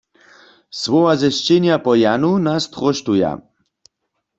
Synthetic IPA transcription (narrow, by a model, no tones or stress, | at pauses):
swɔwazɛʃt͡ʃeɲjapɔjanunast̪ʁɔʃtuja̰